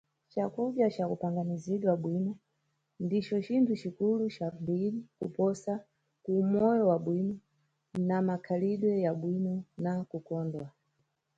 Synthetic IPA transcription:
t͡ʃakuɓjat͡ʃakupʰaŋɡaniziɗwaɓwinɔ | ndit͡ʃɔt͡ʃintʰut͡ʃikulut͡ʃambilikṵpɔsa | kuːmɔjɔwaɓwinɔ | namakʰaliɗwɛjaɓwinɔnakukɔːndwa

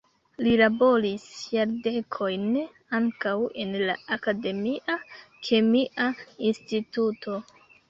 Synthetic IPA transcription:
lilabo̞ɾisjaɾde̞kʰo̞jn | aŋkawe̞nlaakade̞miʔakʰe̞miʔainstitutʰo̞

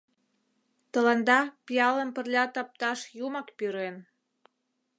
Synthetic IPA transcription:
t̪ə̆lɑnd̪ɑpijɑlə̆mpə̆rlʲɑt̪ɑp̚t̪ɑʃjumɑkpyɾen

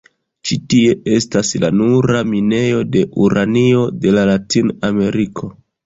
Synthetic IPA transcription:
t͡ʃitie̞e̞stasla̰nuɾamine̞jo̞de̞ʔuɾanio̞de̞lalatiname̞ɾikʰo̞

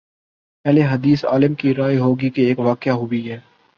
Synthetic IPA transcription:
pɛɦleɦɐd̪iːsa̰ːlɪmkiɾaːiɦoːɡikeeːkʋaːkɪjaɦobiɦɛː

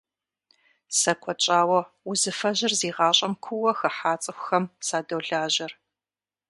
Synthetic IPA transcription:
sɐkʷʰɔt͡ʃʼaːwɐ | ʊzɨfɐʑɪrziːʁɑːɕʼɐmkʷʰʊwɐxɐħaːt͡sʼɨxʷʊxɐmsaːdowɮaːʑɐr

